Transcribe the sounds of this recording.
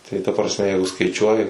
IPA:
tɐɪ tɐ prɐsʲˈmʲɛ ˈjɛɪɡʊ skɐɪˈt͡ʃʲuɔjɪ

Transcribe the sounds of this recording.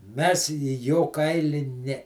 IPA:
ˈmʲɛs iː ˈjoː ˈkɐɪlʲɪ ˈnʲɛ

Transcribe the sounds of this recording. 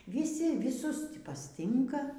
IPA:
ʋʲiːˈsʲɪ ʋʲiːˈsʊs ˈtʲiː pɐsʲˈtʲɪŋkɐ

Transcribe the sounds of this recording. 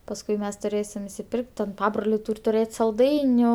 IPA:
pɐsˈkʊɪ ˈmʲɛs tʊˈrʲeːsʲɪm ɪsʲɪˈpʲɪrʲkʲtʲ tʲɛn ˈpɑːbroːlʲɛɪ ˈtuːrʲ tʊˈrʲeːtʲ sɐlˠˈdɐɪnʲʊ

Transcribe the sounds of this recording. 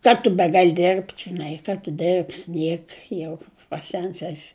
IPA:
ˈkɐ tʊ ˈbʲæːɡɐlʲ ˈdʲɪrʲpʲtʲɪ ʒʲɪˈnɐɪ ˈkɐ tʊ ˈdʲɪrʲpʲsʲ ˈnʲiɛkɐ jɛʊ pɐˈsʲɛns ˈæːsʲɪ

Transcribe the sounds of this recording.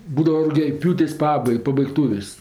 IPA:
ˈbuːdɐʋɐ rʊɡʲɛˈpʲjuːtʲeːsʲ ˈpɑːbɐɪ pɐbɐɪkˈtuːʋʲeːsʲ

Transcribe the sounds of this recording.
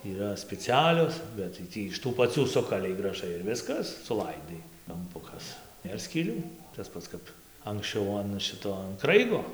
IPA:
iːˈrɐ sʲpʲɛt͡sʲɪˈɑːlʲoːs ˌbʲɛt tɐɪ ˈtʲiː ɪʃ tuː pɐˈt͡sʲuː ˈsʊkɐlʲɛɪ ɡrɐˈʒɐɪ ɪr ˈʋʲɪskɐs sʊˈlˠɐɪdɐɪ kɐmˈpʊkɐs ˈnʲeːr sʲkʲiːˈlʲuː tɐs ˈpɐts kɐp ɐŋksʲˈt͡ʃʲɛʊ ɐn ˈʃʲɪtoː ɐn ˈkrɐɪɡoː

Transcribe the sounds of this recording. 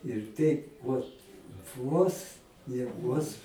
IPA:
ɪr ˈtʲɛɪp ˈʋoːt ˈʋoːs nʲɛ ˈʋoːs

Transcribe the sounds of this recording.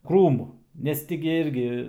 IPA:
ˈkruːmʊ nʲɛs ˈtʲɪ ɡʲɪ ˈɪrʲɡʲɪ

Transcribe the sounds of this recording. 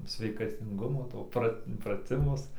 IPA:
sʲʋʲɛɪkɐtʲɪŋˈɡʊmoː ˈtoː prɐtʲ prɐˈtʲɪmʊs

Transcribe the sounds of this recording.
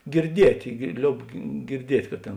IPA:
ɡʲɪrʲˈdʲiɛtʲeː ɡʲɪr ˈlʲoːʊp ɡʲɪrʲˈdʲiɛtʲ kɐ ˈtʲeːn

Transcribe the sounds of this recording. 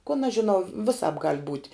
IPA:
koːn ɐʃ ʒʲɪˈnɐʊ ʋʲɪˈsɑːp ɡɐlʲ buːtʲ

